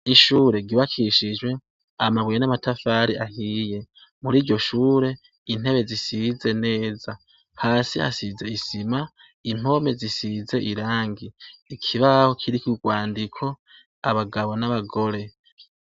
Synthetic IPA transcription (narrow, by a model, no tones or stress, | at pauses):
iʃuːɾe̞ɡiβakiʃid͡ʒwe̞ | amaβwejenamatafaɾiʔahiːje̞ | muɾiːɾɟo̞ʃuːɾe̞ | in̥e̞βe̞zisize̞ne̞ːza | haːsiha̰size̞isima | im̥o̞me̞zisize̞ʔiɾaːŋɡiːkʰiβaho̞kʰiɾikiɡwaːndikʰo̞ | aβaɡaβo̞naβaɡo̞ɾe̞